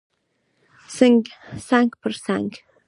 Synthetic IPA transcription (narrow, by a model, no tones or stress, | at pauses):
sɨŋɡʲsaŋkʲpʰɨrsaŋkʲ